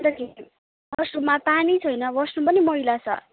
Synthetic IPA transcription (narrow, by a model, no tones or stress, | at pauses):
t̪ʌki | bʌsnumapanit͡sʰʌjnʌbʌsnupʌnimʌɦilat͡sʰʌ̰